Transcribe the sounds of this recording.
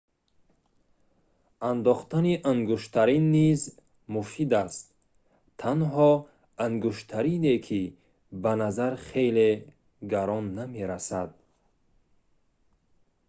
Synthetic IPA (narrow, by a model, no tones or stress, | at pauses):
and̪ɔχt̪ʰaniʔaŋɡuʃt̪ʰaɾinːiz | mufid̪ast̪̚ʰː | anɦɔ | aŋɡuʃt̪ʰaɾinekʰi | banazaɾχe̞jle | ɡaɾɔnːame̞ɾasad̪̚